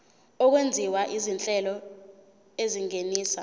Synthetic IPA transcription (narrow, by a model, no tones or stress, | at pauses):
ɔk̬wend͡zʱiwaʔizint͡ɬʼɛlɔ | eziŋeniːsa